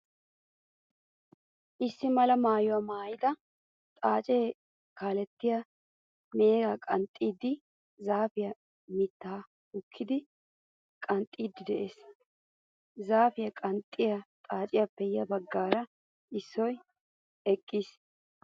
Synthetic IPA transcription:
ʔɪsːɪmɐlɐmaːjʊwɐmaːjɪt̪ɐ | t̪ʼaːt͡ʃʼeː | kaːlɛt̪ːɪjɐ | meːɡakʼɐnt̪ʼːiːd̪ːɪ | zaːfɪjɐ | mɪt̪ːaː | ʊkʰːɪd̪ɪ | kʼɐnt̪ʼiːd̪ɪd̪ɛʔe̞ːs | zaːfɪjɐkʼɐnt̪ʼːɪjɐt̪ʼaːt͡ʃʼɪjɐpːɛjɐbɐɡːaːɾɐ | ɪsːɔj | ɛkʼːiːs

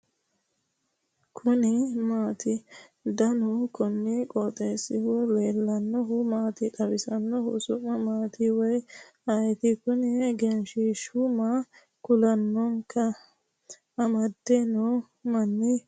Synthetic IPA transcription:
kʰʊnɪmaːt̪ɪd̪ɐnʊkʰɔnːɪkʼɔt̪ʼeːsːɪwɔleːlːɐnːɔɦʊmaːt̪ɪt̪ʼɐbɪsɐnːɔhʊ̰sʊmːɐmaːt̪ɪwɔj | ɐjɛt̪ɪkʊnɪɡɛnʃiʃʊmɐ | kʊlɐnːɔŋkɐ | ʔɐmɐd̪ːenɔ | mɐnːɪ

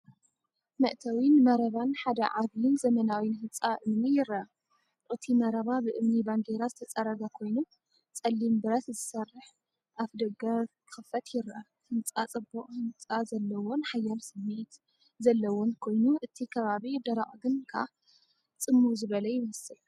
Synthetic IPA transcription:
mɐ̰ʔt̪ʰɐwinmɐɾɐβanħad̪ɐ̰ʕaβjɪnzɐmɐnawjinhɨnt͡sʼaʔɨmnijɪɾɐ | ʔʼɨt̪ʰimɐɾɐβabɨʔɨmnibaŋɡeɾazɨt̪ʰɐt͡sʼɐɾɐɡakʰo̞jnu | t͡sʼɐlːimbɨɾɐt̪zɨsɐrːɨħ | ʔafd̪ɐɡɐkʰɨxɨfɐt̪jɪɾa | hɨnt͡sʼat͡sʼɨbːuʔʼhɨnt͡sʼazɐlːɐwo̞nħajːalsɨmːet̪ | zɐlːɐwonkʰo̞jnuʔɨt̪ʰikʰɐβaβid̪ɐɾaχʼɡɨnkʰa̰ | t͡sʼɨmːuzɨβɐlɐjɪmɐsɨl

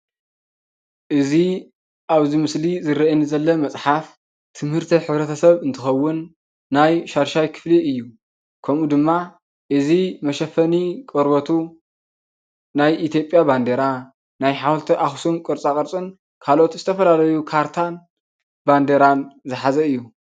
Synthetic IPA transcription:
ʔɨzi | ʔaβzimɨslizɨɾɐʔinzɐlːɐmɐt͡sʼħaf | t̪ʰɨmhɨɾt̪ʰiħɨβɾɐt̪ʰɐsɐβɨnt̪ʰɨxɐwːʊnː | ajʃaɾʃajkʰɨ̥fliʔɨjːu | kʰɐmud̪ɨmːa | ʔɨzimɐʃɐfɐnikʼoɾbɐt̪ʰu | najʔit̪ʰjo̞pʼjaband̪eɾa | najħawlt̪ʰiʔaxsumkʼɨɾt͡sʼakʼɐɾt͡sʼɨn | kʰalo̞t̪zɨt̪ʰɐfɐlalɐjukʰaɾt̪ʰan | band̪eɾanzɨħazɐɨjːu

